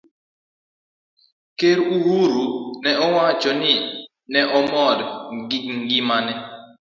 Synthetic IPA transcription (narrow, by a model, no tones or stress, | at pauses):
keɾuwuɾunɛɔwat͡ʃɔnɪ | nɛʔɔmɔdɡiŋɡimanɛ